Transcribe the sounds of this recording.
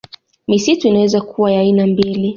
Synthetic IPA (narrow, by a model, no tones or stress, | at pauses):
misituinawɛzakʰuwajainambili